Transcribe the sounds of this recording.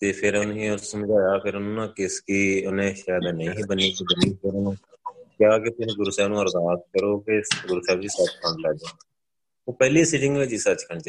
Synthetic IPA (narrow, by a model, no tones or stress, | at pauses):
t̪eːpʰɪɾʊnĩːʊsːəmd͡ʒaːjaːpʰɪɾʊnũːnãːkɪskiːnẽːʃaːjd̪ãnəĩːɦiːbəniːkiːbəniːpʰɪɾʊnũːkjaːkɪpɪsɡʊɾsaːnũːəɾzaːt̪̚kəɾoːpʰɪɡʊɾsɛːbd͡ʒisət͡ʃkʰəɳɖlaːd͡ʒãː | oːpɛːliːsiːʈɪ̃ŋɡʋɪt͡ʃːsət͡ʃkʰəɳd͡ʒe